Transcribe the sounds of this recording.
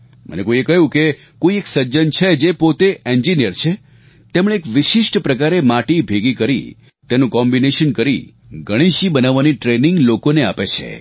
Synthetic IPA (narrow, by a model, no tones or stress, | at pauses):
mʔə̰nekoiekəɦjũke | koieksəd͡ʒənt͡ʃʰed͡ʒepot̪eeɲd͡ʒinijəɾt͡ʃʰe | t̪emɽ̃eːkʋɪʃiʃʈpɾəkaɾemaʈibʱeɡikəɾḭ | t̪enũkɔmbineʃənkəɾi | ɡəɽ̃iʃibənaʋːaniʈɾeniŋɡlokoneapet͡ʃʰḛ